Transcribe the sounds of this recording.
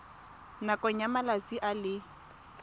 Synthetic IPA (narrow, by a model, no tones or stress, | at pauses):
nakʼɔɲamalat͡siʔalɪ